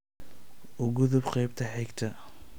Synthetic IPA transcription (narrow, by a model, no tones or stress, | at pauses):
ʔʊɣʊðʊbqɑjbt̪ʰɐħɛkt̪ʰɐ